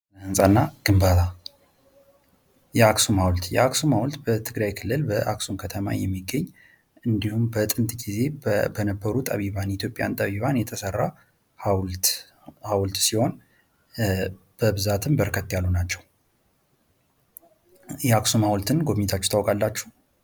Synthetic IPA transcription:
hɨnsʼanːaɡ̥ɨmbat̪ʰa | jɛaksumhawlt̪jɛ̰aksumhawlt̪bət̪ʰɨɡɾajkʰɨlːɨlbəʔaksumkʰət̪ʰəma̰jɛmːiɡːəɲː | ɨnd̪ihumbət̪ʼɨnt̪ʼɡize̞bənəbːəɾut̪ʼa̰βiβanit̪ʰjo̞pʼja̰nt̪ʼaβiβanjɛt̪ʰəsərːa | hwt̪ | hawlt̪siho̞n | b̥əbɨzat̪ʰɨmbəɾkʰət̪ːjalːunat͡ʃːɛw | jɛaksumhawlt̪ʰɨnɡo̞βmɲit̪ʰat͡ʃːɛ̥t̪ʰawkʼalːat͡ʃːu̥h

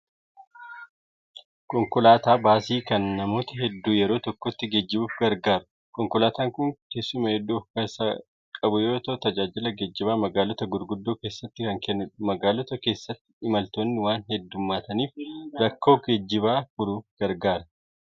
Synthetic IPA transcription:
kɔŋkʊlaːt̪aːbaːsiːkɐnːɐmo̞ːt̪ɐɦɛd̪ːuːjɛɾo̞ːt̪ɔkːɔt̪ːɪɡed͡ʒːɪbuːfɡɐɾɡaːɾʊ̥ | kɔŋkʊlaːt̪aːŋkʊŋkesːʊmɐhɛd̪ːuːfkɐsa | kʼɐbʊjo̞ːt̪ɐʔt̪ɐd͡ʒaːd͡ʒɪlɐɡɛd͡ʒːɪbaːmɐɡaːlɔt̪ɐɡʊɾɡʊd̪ːoːke̞ːsːɐt̪ːɪkɐŋkɛnːmɐɡaːlɔt̪ɐke̞ːsːɐt̪ːɪ̥ɪmɐlt̪oːnːɪwaːnɦɛd̪ːʊmːaːt̪ɐniːfɾɐkːo̞ːɡed͡ʒːɪβaːfʊɾuːfɡ̥ɐɾɡaːɾɐ

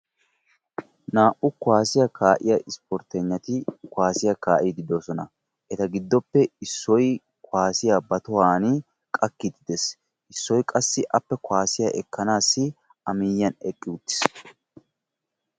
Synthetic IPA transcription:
naːʔʊkʊaːsɪjɐkaːʔɪjɐʔɪspɔɾt̪ɛɲːɐt̪ɪkwaːsɪjɐkaːʔiːd̪ɪd̪oːsɔnɐ | ʔɛt̪ɐɡɪd̪ːɔpːɛɪsːɔj | kʰwaːsɪjabɐt̪ɔwaːn | kʼɐkːid̪ɪd̪es | ʔɪsːɔjkʼɐsːɪʔɐpːɛkwaːsɪjɐʔɛkːɐnaːsːɪ | ɐmɪːjːɐnɛkʼːɪʊt̪ːɪ̥s

